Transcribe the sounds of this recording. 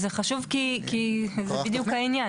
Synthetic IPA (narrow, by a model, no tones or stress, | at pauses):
zeχaʃuvkikizeid̪jukhainja